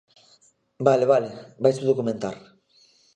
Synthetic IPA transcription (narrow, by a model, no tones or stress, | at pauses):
baleβalebajsuðokument̪a̰ɾ